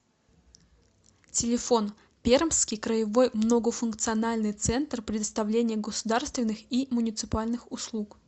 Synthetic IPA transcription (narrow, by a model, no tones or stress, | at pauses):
tʲɪlʲɪfo̞n | pʲermskʲijkɾəjɪvo̞jmnoɡəfʊnkt̪sɨɐnalʲnɨjt̪sɛnt̪rpɾʲɪd̪əst̪ɐvlʲenʲɪjəɡəsʊd̪arst̪vʲɪnːɨximʊnʲɪt̪sɨpalʲnɨxʊslˠuk